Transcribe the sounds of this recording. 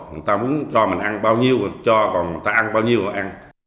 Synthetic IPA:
ɲɨ˨˩˨jt̪aː˧mu˨˦ənt͡ɕɔ˧mï˨˩ŋ̟ʔa˧nɓaː˧wɲi˧əwt͡ɕɔ˧kɔ˨˩nmɨ˨˩t̪aː˧ʔa˧nɓaː˧wɲi˧əwɔ˨˩ʔa˧n

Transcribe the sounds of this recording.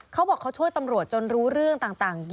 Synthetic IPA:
kʰa˦˥wbɔː˨˩kʰːa˥wt͡ɕʰu˥˩əjt̪a˧mɾu˨˩ət̪̚t͡ɕo˧nɾuː˦˥ɾɯ˥˩əŋt̪aː˨˩ŋt̪aː˨˩ŋ

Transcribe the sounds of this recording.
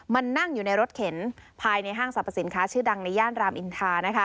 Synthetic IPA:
ma˧nːa˥˩ŋjuː˨˩na˧jɾo˦˥t̪̚kʰe˩˦npʰaː˧jna˧jɦaː˥˩ŋsa˨˩pʰːa˧˩si˩˦nkʰaː˦˥t͡ɕʰɯː˥˩da˧ŋna˧jaː˥˩nɾaː˧mʔi˧nt̪ʰaː˧na˦˥kʰa˦˥

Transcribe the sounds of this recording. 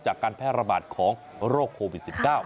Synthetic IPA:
t͡ɕaː˨˩kːaː˧npʰɛː˥˩t̪̚ɾa˧baː˨˩t̪̚kʰɔː˩˦ŋ | ɾoː˥˩kʰːoː˧wi˨˩t̪̚si˨˩p̚kaː˥˩w

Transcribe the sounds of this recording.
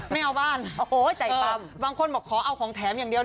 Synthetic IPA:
ma˥˧˩ʔa˧wbaː˥˩no˧˩t͡ɕaː˨˩˧a˧mbaː˧ŋkʰo˧nbɔː˨˩kʰːɔː˩˦ʔa˧˩wkʰɔː˩˦ŋt̪ʰɛː˩˦mjaː˨˩ŋdi˧ə

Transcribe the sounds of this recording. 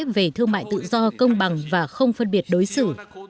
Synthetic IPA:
p̚ve˨˩t̪ʰɨ˧əŋma̰ː˧˨jt̪ɨ̰˧˨zɔ˧kə˧wŋ͡mɓa˨˩ŋvaː˨˩xə˧wŋ͡mfə˧nɓi˧˩ət̚ɗo˨˦jsɨ̰˧˨

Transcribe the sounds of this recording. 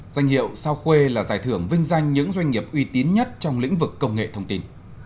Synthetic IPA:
zwa˧jŋ̟hḭ˧˨əwsaː˧wxwe˧laː˨˩zaː˧˩jt̪ʰɨ˧˩əŋvï˧ŋ̟za˧jŋ̟ɲɨ̰˧˥ŋzwa˧jŋ̟ŋi˨˩əp̚ʔwi˧t̪i˨˦nɲə˦˥t̚t͡ɕɔ˧wŋ͡mlḭ˧˥ŋ̟vɨ˨˩kːə˧wŋ͡mŋḛ˧˨t̪ʰə˧wŋ͡mt̪i˧n

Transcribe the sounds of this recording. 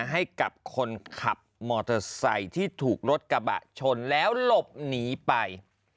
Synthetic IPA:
ɦa˥˩jka˨˩p̚kʰo˧nkʰa˨˩p̚mɔː˧t̪ʰɤː˧sa̰˧jt̪ʰiː˥˩t̪ʰuː˨˩k̚ɾo˦˥t̪̚ka˧ba̰˨˩ʔt͡ɕʰo˧nlɛː˦˥wlo˨˩p̚niː˩˦pa˧j

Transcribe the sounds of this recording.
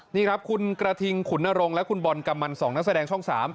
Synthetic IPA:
niː˥˩kʰɾa˦˥p̚kʰu˧nkɾa˧t̪ʰi˧ŋkʰu˩˦nʔa˧ɾo˧ŋlɛ˦˥kʰu˧nbɔ˧nka˧mːa˧nsɔː˩˦ŋna˦˥k̚sa˧dɛː˧ŋt͡ɕʰɔ˥˩ŋsaː˩˦m

